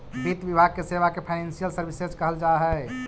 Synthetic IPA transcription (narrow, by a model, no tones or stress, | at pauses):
bɾit̪ʋibʱaɡ̚keseʋakepʰaɪnensijəlsəɾbiseskəɦəld͡ʒaɦɛ